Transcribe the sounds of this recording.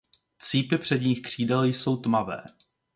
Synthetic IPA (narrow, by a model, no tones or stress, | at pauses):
t͡siːpɪpr̝̥ɛdɲiːxkr̝̥iːdɛljso̞wt̪mavɛ̰ː